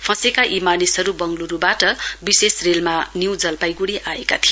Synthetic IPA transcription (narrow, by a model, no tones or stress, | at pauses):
pʰʌ̃sekaʔimanisʌɾubʌŋluɾubaʈʌbisesrelmanjiwd͡zʌlpajɡuɽiʔaeka̰t̪ʰi